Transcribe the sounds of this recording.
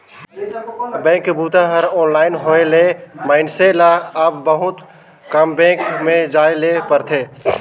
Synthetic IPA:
bɛ̃ːkbʱut̪ãɦəɾɔːnlaːɪnɦoelemaɪnselaəbbəɦʊt̪ | kəmbɛ̃kmed͡ʒaelepəɾt̪ʰe

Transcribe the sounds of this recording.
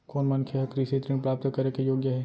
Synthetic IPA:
koːnmɐnkʰjeɦɐkɾisit̪ɾĩpɾaːp̚t̪kɐɾekejoːɡjəɦɛː

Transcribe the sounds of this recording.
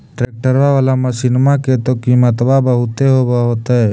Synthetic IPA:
ʈɾek̚ʈəɾʋaʋalamə̃sinmaket̪ɔkimət̪babəɦut̪eɦobaɦot̪ɔɛ

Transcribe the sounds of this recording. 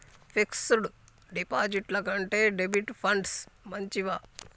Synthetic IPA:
pʰiksuɽu | ɖipaːd͡ʒiʈlɐkɐɳʈeːɖebiʈpʰɐɳɖsmɐɲt͡ʃiʋaː

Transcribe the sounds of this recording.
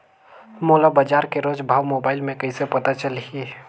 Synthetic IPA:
molabəd͡ʒaːɾkeɾod͡ʒbʱaːʋmobaːɪlmẽkəɪsepət̪at͡ʃəlɦi

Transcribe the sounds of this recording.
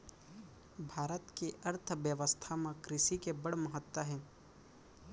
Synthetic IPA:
bʱaːɾət̪kiʔɐɾt̪ʰʋjəʋəst̪ʰamãkɾɪʃikebɐɽmɐɦət̪ːwəɦɛ̃ː

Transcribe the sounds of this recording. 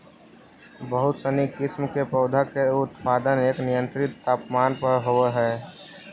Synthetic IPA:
bəɦʊt̪sənikɪsmkepəːd̪ʱakeʊt̪paːd̪əneːknɪjə̃nt̪ɾɪt̪ːaːpmaːnpəɾɦoeɦɛː

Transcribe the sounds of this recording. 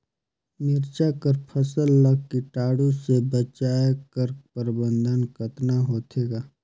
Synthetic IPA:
mɪɾt͡ʃakəɾpʰəsəlːəɡ̚kiʈaːɽũsebət͡ʃaːkəɾpəɾbə̃nd̪ʱənkət̪naɦoːt̪ʰeːɡaː

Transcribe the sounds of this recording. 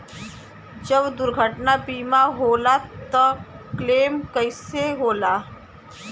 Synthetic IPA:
d͡ʒəbd̪ʊɾɡʱəʈnabiːmaɦoːlat̪ə | kleːmkəɪseɦoːlaː

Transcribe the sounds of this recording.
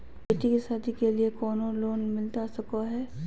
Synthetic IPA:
beːʈikesaːd̪ʰʱikeliekɔːnoloːnmɪlt̪asɐkaɦɛː

